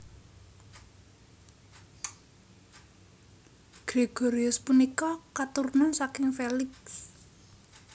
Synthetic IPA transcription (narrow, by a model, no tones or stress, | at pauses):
ɡ̥ɾeɡ̥ɔɾiʊspunikɔkat̪urnɔsakɪŋfelɪks